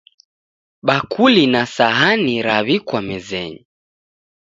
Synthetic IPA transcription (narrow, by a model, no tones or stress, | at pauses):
ɓakulinasaɦaniɾaβikwamɛzɛ̰ɲi